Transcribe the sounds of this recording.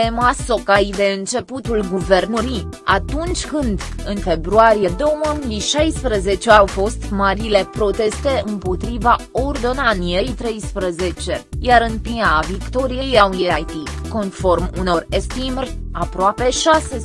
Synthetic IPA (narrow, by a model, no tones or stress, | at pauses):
emaso̞kajd̪e̞ɨnt͡ʃe̞put̪ulɡuve̞rnuɾi | at̪unt͡ʃʲkɨnd̪ɨnfe̞bɾuaɾijed̪o̞wməmiiʃajspɾəze̞t͡ʃeawfo̞st̪maɾile̞pɾo̞t̪e̞st̪e̞ɨmpo̞t̪ɾiva | ord̪o̞nanije̞jt̪ɾe̞jspɾəze̞t͡ʃe̞jaɾɨnpiavikt̪o̞ɾijejawiajt̪iko̞nfo̞rmuno̞rest̪imerʲapɾoape̞ʃase